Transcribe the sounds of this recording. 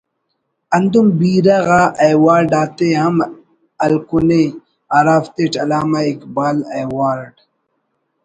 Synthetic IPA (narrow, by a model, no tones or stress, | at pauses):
ɐnd̪umbiːɾɐɣaɐjwaːɾɖaːt̪eɦɐm | ɐlkune | aɾaːft̪eʈɐlaːmaikbaːlajwaːɾɖ